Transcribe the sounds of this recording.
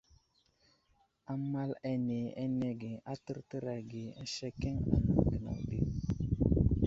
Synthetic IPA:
a˦ma˦lɛ˦ne˨ɛ˦nɛ˦ɡe˨a˦tə˦ɾtə˦ɾa˨ɡe˨˦ʃɛ˦kɛ˦ŋa̰˨na˨ɡə˨na̰˨de˦

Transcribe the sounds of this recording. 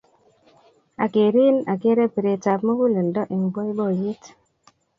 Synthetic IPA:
a˨ke˨ɾi˦na˨ke˦ɾe˦pi˨ɾe˨t͡sa˨pmu˦ku˦li˨ndɔ˦ʔi˨ŋbo˦jbo˦˨ji˦t

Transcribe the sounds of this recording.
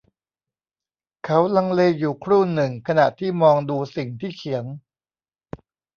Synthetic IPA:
kʰa˦˥wla˧ŋleː˧juː˨˩kʰɾuː˥˩nɯ˨˩ŋkʰa˧na˨˩ʔt̪ʰiː˥˩mɔː˧ŋduː˧si˨˩ŋt̪ʰiː˥˩kʰi˩˦əŋ

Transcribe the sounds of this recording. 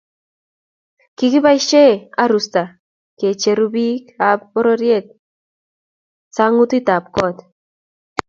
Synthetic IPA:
kiki˦ba˦i˦ʃe˦a̰˦ɾust̪a˨ | ke˨t͡ʃe˨ɾu˦bi˦ka˨p̚ːɔ˦ɾɔɾje˦t̪̚ | sa˦ŋu˦t̪i˦t̪a˨p̚kɔ˦t̪

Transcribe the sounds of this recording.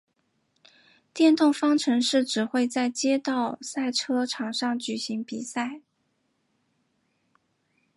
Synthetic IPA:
t̪jɛ˥˧nt̪ʊ˥˩ŋfɑ˥ŋʈ͡ʂʰɤ˧˥ŋʂɻ̩˥˩ʈ͡ʂɻ̩˨˩xwe˥˧ɪt͡sa˥˩ɪt͡ɕjɛ˥t̪ɑ˥˩ʊsa˥˩ɪʈ͡ʂʰɤ˥ʈ͡ʂʰɑ˨˩ŋʂɑ˥˩ŋt͡ɕy˨˩ɕi˧˥ŋpi˨˩sa˥˩ɪ

